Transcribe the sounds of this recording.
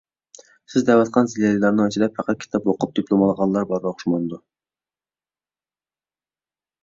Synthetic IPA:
sɪzd̪ɛwɑt̪qʰɑnziljɑlˠilˠɑɾnɨɑt͡ʃʰilɛphæqɑt̪̚kʲʰi̥t̪ʰɑpwoqʊp̚d̪iplˠomɑlˠʁɑllːˠɑɾbɑɾbɑχʊ̥ʃmɑnɨd̪u

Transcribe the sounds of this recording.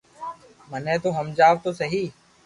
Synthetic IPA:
mənẽːt̪oːɦəmd͡ʒaːʋt̪oːsəɦiː

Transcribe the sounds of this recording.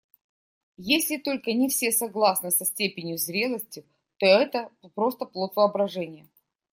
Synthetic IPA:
jesʲlʲɪt̪o̞lʲkənʲɪfsʲe̞sɐɡlˠasnɨsɐsʲtʲepʲɪnʲjʊzɾʲe̞lˠəsʲtʲɪ | t̪o̞ɛt̪əpɾo̞st̪əplˠot̪vɨɐbɾɐʐɛnʲɪjə

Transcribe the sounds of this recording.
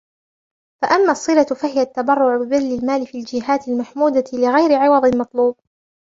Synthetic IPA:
faʔamːaːsˤːɨlafahɪjat̪ːabɑrˤːʊʕbɪbɪðːɪlmaːlɪfiːald͡ʒɪɦaːt̪ɪlmaħmuːd̪alɪɣajɾɪʕɪwɑðˤɪnmɑt̪ˤluːb̚

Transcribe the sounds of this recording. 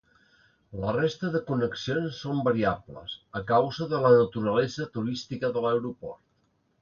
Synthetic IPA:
lərest̪əðəkunəksionsːombəɾiablə̰səkawzəðələnət̪uɾəlɛzət̪uɾist̪ikəðələwɾupɔɾt̪

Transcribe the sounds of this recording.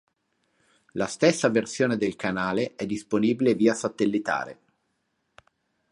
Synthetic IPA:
last̪esːaversjoːned̪elkanaːleʔɛd̪ːisponiːbileviːasat̪elːit̪a̰ːɾḛ

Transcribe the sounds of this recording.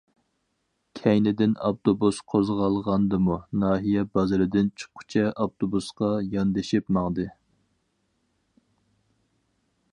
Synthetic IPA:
kʲʰɛjnɪd̪ɪnɑ̰pt̪obusqʰozʁɑlˠʁɑnd̪ɨmunɑːɦijɛbɑzɨɾɨd̪ɪnt͡ʃʰɨ̥qʰːʊ̥t͡ʃʰɛɑpt̪ʰobusqɑjɑnd̪ɨʃɪpmɑʁd̪ɨ

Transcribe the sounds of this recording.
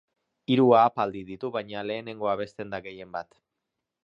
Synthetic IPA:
iɾuaːpald̪iðit̪uβajɲale̞ːne̞ŋɡo̞aβ̞e̞st̪e̞nd̪aɣe̞je̞mbat̪

